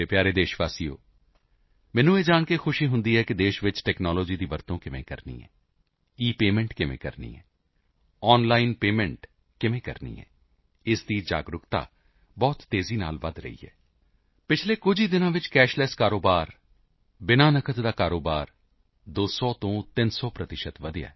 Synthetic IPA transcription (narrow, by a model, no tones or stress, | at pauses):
eːpjaːɾeːd̪eːʃʋaːsijo̰ː | mɛ̃ːnũːeːd͡ʒaːɳkexʰʊʃiːɦʊ̃nd̪iːɦɛːkɪd̪eːʃʋɪt͡ʃʈɛːknɔːloːd͡ʒiːd̪iːʋəɾt̪õːkɪmḛ̃ːkə̰ɾnḭːɛ̰ː | iːpeːmɛ̃ɳʈkɪmḛ̃ːkə̰ɾnḭːɛ̰ː | ɔːnlaːɪnpeːmɛ̃ɳʈ | kɪmẽːkə̰ɾnḭːɛ̰ː | ɪsd̪iːd͡ʒa̰ːɡɾʊkt̪a̰ː | bɔːt̪ːeːziːna̰ːlʋəd̪ɾə̰ɦḭːɛ̰ː | pɪt͡ʃʰleːkʊd͡ʒʱiːd̪ɪnãːʋɪt͡ʃkɛːʃlɛskaːɾoːbaːɾ | bɪnaːnəkʰət̪d̪aːkaːɾoːbaːɾ | d̪oːsɔːt̪õːt̪ɪnsɔːpɾət̪ɪʃət̪ʋəd̪ja̰ː